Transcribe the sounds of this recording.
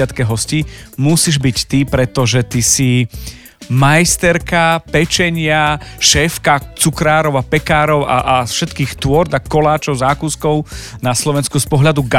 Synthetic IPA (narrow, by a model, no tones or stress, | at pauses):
at̪kɛɦɔsciːmusiʒbict̪ipɾɛt̪ɔʒɛt̪isi | majst̪ɛɾkapɛt͡ʃɛɲɪaʃɛːfkat͡sukɾaːɾɔʊapɛkaːɾɔʊa̰ʔafʃɛt̪kiːxt̪ʊɔɾd̪akɔlaːt͡ʃɔʊzaːkuːskɔʊnaslɔʋɛnskuspɔɦlad̪uɡa